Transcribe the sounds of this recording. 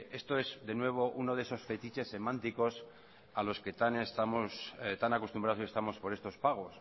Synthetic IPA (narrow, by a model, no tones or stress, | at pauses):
e̞st̪o̞e̞sðe̞nwe̞β̞o̞ʔuno̞ðe̞so̞sfe̞t̪it͡ʃe̞sːe̞mãnt̪iko̞s | alo̞ske̞t̪anest̪amost̪anako̞st̪umbɾaðosiest̪amo̞spo̞ɾest̪o̞spaɣ̞o̞s